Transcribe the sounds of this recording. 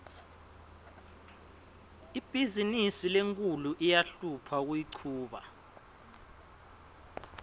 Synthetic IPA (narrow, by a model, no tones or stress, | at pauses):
ib̥ʱizinisileŋkʼuluʔijaɬupʰak̬wiǀʰuːɓa̰